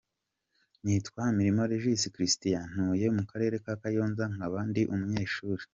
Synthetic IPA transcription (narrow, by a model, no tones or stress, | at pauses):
nitkwamiɾimoɾeʒisikɾistijan̥uje̞mukaɾe̞ɾe̞kakajo̞ːnzaŋaβandiʔumuɲe̞ːʃuːɾe̥